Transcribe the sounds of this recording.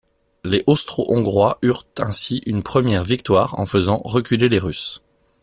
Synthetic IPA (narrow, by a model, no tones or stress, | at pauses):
leʔɔst̪χoʔɔ̃ɡʁwaʔyʁt̪ʰɛ̃siʔynpχəmjɛʁvik̚t̪waːʁɑ̰̃fəzɑ̃ʁəkʲyleleʁys